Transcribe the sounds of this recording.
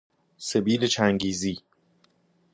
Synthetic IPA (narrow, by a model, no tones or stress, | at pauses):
sebiːlet͡ʃʰæŋɡiːziː